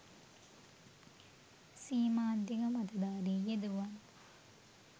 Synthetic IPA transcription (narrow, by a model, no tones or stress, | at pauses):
siːmaːd̪ʱiɡɐmɐt̪ɐd̪aːɾejed̪uʋɐn